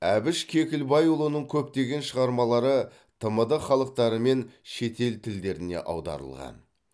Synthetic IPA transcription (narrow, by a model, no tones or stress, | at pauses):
æbɪʃkʲʰe̞kʲɪlbɑjulˠənəɴkʲʰɵpt̪e̞ɡʲe̞nʃəʁɑɾmɑlˠɑɾə | t̪ʰəməd̪əχɑlˠəq̚t̪ɑɾəme̞nʃe̞t̪e̞lt̪ʰɪld̪e̞ɾɪne̞̰ʔɑ̰wd̪ɑ̰ɾə̰lˠʁɑ̰n